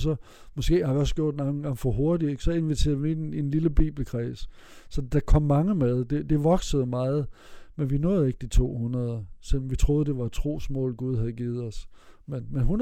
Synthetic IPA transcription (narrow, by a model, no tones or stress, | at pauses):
sɒ̽ | mɒ̽sɡ̥e̝̰ːhɑ̈ʋiɒ̽sɡ̥jo̝ɐ̰d̥nɑn̩ɡ̥ɑ̈ŋfɒɦo̝ɐd̥ieɡ̥sɒ̽e̝nʋit͡sʰe̝̰ɐðˠʋieninliləb̥ḭːb̥l̩kʰʁɛːsə̥ | sɒ̽d̥æ̈kʰɒ̽m̰ːɑ̈ŋəmeð̞ˠd̥e̝d̥e̝ʋɒ̽ɡ̥səð̞̩ˠmɑ̈ːð̞̩ˠmenʋinɔ̰ːð̩ˠe̝ɡ̥əd̥it͡sʰo̝̰ːhunɐð̞ˠɐselmʋit͡sʰʁo̝ːð̞̩ˠd̥e̝ʋɑt͡sʰʁo̝̰ːsmɔ̰̽ːlɡ̥uð̞ˠhæð̞̩ˠɡ̥iːð̞̩ˠɒ̽smenmenɦun